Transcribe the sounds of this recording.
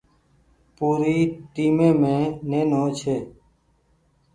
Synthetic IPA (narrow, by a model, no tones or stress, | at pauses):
puːɾiːʈiːmẽːmẽːneːnõːt͡ʃʰeː